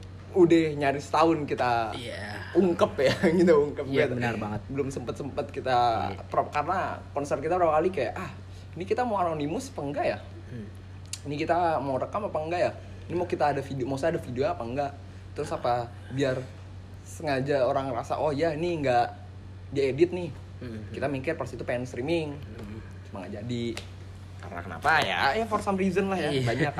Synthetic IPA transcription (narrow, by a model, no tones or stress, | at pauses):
udɛhɲaɾɪsə̥t̪aʊnkit̪aauŋkəpjakit̪auŋkəp̚t̪bənarbaŋət̪̚bəlʊmsəmpət̪səmpət̪̚kit̪apɾapkarəna̰kɔnsərt̪̚kit̪apəɾapakalikaja̰ʔah | nikit̪amawananimʊsḁpaŋɡaja | nikit̪amaɾəkamapaŋɡaʔja | nimakit̪aːdafidmasaadafideoapaŋɡaʔ | t̪ɾʊsapa | biar | səŋad͡ʒaoɾaŋrasa̰ʔohjaniŋɡa | daedɪt̪̚nɪh | kit̪amikɪrpərsit̪upɛnst̪ɾimɪŋ | t͡ʃumaŋɡa̰ʔd͡ʒadi | ka̰ɾəna̰kəna̰paja̰jafɔrsamrizənlahjabaɲak